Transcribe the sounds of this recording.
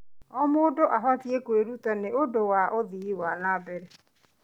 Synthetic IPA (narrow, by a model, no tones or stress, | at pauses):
ɔmoːdoʔaɦatiekweɾutaneodowaʔoðiiwanaːbɛɾɛ